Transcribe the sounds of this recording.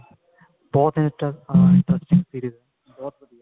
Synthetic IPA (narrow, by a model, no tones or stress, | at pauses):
boːt̪ʰɪ̃nʈɪ̃ɳʈɾɛsʈɪ̃ŋsiːɾiːz | boːt̪